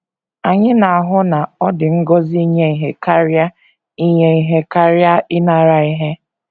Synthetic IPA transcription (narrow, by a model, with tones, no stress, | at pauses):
a˨ɲɪ˦na˨a˨ɦʊ˦na˨ɔ˦dɪ˨ŋ̩˦ɡɔ˦zi˦i˦ɲe˦i˨ɦe˦ka˦ɾja˦ | i˦ɲe˦i˦ɦe˦ka˦ɾja˦ɪ˦na˨ɾa˨i˦ɦe˦